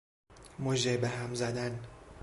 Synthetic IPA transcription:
moʒebeɦæmzæd̪æn

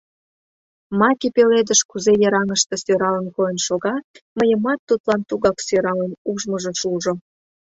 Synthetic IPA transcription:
mɑkipeled̪əʃkuzejəɾɑŋəʃt̪ə̆søɾɑlənkojənʃoɣɑməjəmɑt̪ːut̪lɑnt̪uɣɑksøɾɑlenuʒməʒəʃuʒo

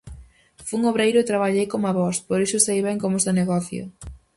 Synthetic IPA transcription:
fuŋoβɾejɾʊet̪ɾaβaʎejkomaβɔspoɾisʊsejβɛŋkomosoneɣɔθjo̰

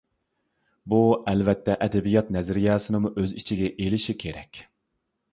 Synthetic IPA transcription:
buɛlvɛt̪ʰːɛʔɛd̪ɛbijɑt̪̚nɛzɾijɑːsɨnɨmuʔøzit͡ʃʰiɡʲɛʔelɪʃikʲʰeɾɛkʲ

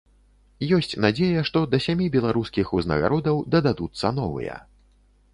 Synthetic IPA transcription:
jɔsʲt͡sʲnad͡zʲejɐʂt̪ɔd̪ɐsʲamʲibʲɛlˠaɾuskʲixuznɐ̰ɣa̰ɾɔd̪ɐwd̪ɐd̪ad̪ut̪sːɐnɔvɨ̰jɛ̰

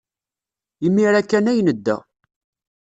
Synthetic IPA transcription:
imːiɾækːænæjnəd̪ːæ̰

